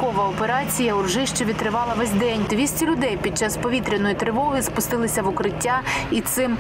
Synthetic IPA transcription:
kɔʋɐɔpeɾɑt͡sʲijɐʊrʒɪʃt͡ʃɔʋʲid̪̚t̪ɾɪʋɑlˠɐʋɛzʲd̪ɛnʲd̪ʋʲisʲtʲilʲʊd̪ɛjpʲid̪̚t͡ʃɑspɔʋʲit̪ɾʲɪnɔjit̪ɾɪʋɔɦɪspʊst̪ɪlˠɪsʲɐʋʊkɾɪtʲːait̪sɪm

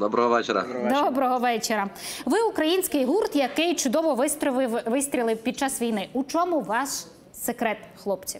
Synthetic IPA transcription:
d̪ɔbɾɔɦɔʋɛt͡ʃeɾɐ̰d̪ɔbɾɔɦɔʋɛt͡ʃeɾɐʋɪukɾɐjinʲsʲkɪjɦurt̪jɐkɪjt͡ʃʊd̪ɔʋɔʋʋɪsʲt̪ʲɾʲilˠɪwpʲid̪̚t͡ʃɑsʋʲijnɪut͡ʃɔmʊʋɑʃ | sekɾɛt̪xlˠɔpt͡sʲiw

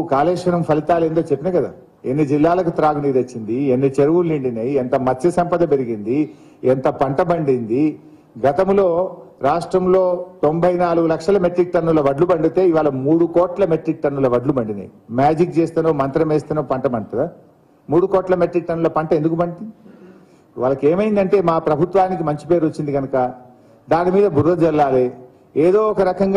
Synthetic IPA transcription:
kaːlɛːʂɐnɐmpʰɐlit̪aːleːnd̪oːt͡ʃepːinɐkɐd̪a̰ː | enːid͡ʒilːaːlɐkut̪ɾaːɡuniːɾɐt͡ʃːind̪ienːit͡ʃeɾuʋulːiɳɖinɐjient̪ɐmɐt͡ʃːɐsɐmpɐd̪ɐpeɾiɡind̪i | ent̪ɐpɐɳʈɐbɐɳɖind̪i | ɡɐt̪ɐmlo̞ːɾaːʂʈɾɐmlo̞ːt̪o̞mbʱɐjnaːluɡulɐkʂɐlɐmeʈɾik̚ʈɐnːulɐʋɐɖlubɐɳɖit̪e̞ːiʋaːlɐmuːɽukɔːʈlɐmeʈɾik̚ʈɐnːulɐʋɐɖlubɐɳɖinɐ̰jmaːd͡ʒik̚t͡ʃeːst̪ɐnoːmɐnt̪ɾɐmeːst̪ɐnɐpɐɳʈɐbɐɳʈɐd̪a | muːɽukɔːʈlɐmeʈɾik̚ʈɐnːulɐpɐɳʈɐend̪uk̬ubɐɳɖi | ʋaːlɐkeːmɐjnd̪ɐɳʈe̞ːmaːpɾɐbʱut̪ʋaːnik̬imɐɲt͡ʃi̥pe̞ːɾot͡ʃːind̪iɡɐnɐkɐ | d̪aːnimiːd̪ɐbʱuɾːɐd͡ʒɛlːaːle | eːd̪o̞ːɔkɐɾɐkɐŋɡ

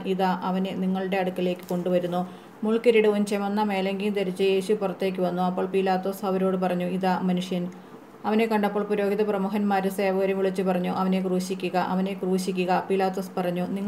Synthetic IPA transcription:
ʔiðaːʔɐʋɐneniŋːɐɭɨɽe̞ɐɽukːɐle̞ːkːɨ̥ko̞ɳɖuʋɐɾunːu | muɭkiɾiɽɨont͡ɕɐmonːɐme̞ːlɐŋɡijnt̪eɾit͡ɕːɨje̞ːɕupurɐt̪ːe̞ːk̬ʲːuʋɐnːuɐpːo̞ːɭpiːlaːt̪ːo̞ːsɐʋɐɾo̞ːɽɨp̬ɐrɐɲːuiðaːmɐnuʂjɐn | ɐʋɐne̞kːɐɳɖɐpːo̞ːɭpuɾo̞ːɡiðɐprɐmuːɦɐnmaːɾuse̞ːʋɐɣɐɾɐmʋiɭit͡ɕːɨpɐrɐɲːuʔɐʋɐne̞kruːɕikʲːuɣɐʔɐʋɐne̞kruːɕikʲːuɣɐpiːlaːt̪ːo̞ːspɐrɐɲːuniŋː

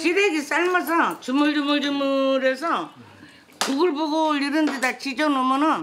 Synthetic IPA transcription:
t͡ɕiɾeɡis͈aɭmʌs̬ʰʌt͡ɕumuɭd͡ʑumuɭd͡ʑɯmuɾesʰʌ | kuɡɯɭboɡoʎiɾɯndedat͡ɕʰid͡ʑʌnomʌnɯn

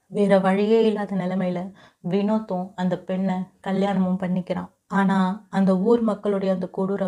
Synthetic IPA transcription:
ʋeːɾɐʋɐɻɪjeːɪlːaːðɐnɪlɐmɐɪjɪlɐ | ʋɪnoːt̪ːʊ̃ɐnd̪ɐpɛɳːɐkɐljaːnɐmɯmpɐɳːɪkːɪɾã̰ː | aːnaːɐnd̪ɐuːɾmɐkːɐɭɯɽɐjɐnd̪ɐkuɽɯɾɐ

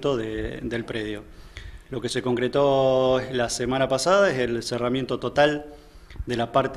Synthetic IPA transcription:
t̪oðed̪e̞lpɾeðjo̞ | lo̞keseko̞ŋkɾet̪olasemãnapasaðaeselseramje̞nt̪ot̪ot̪al | d̪e̞lapaɾt̪

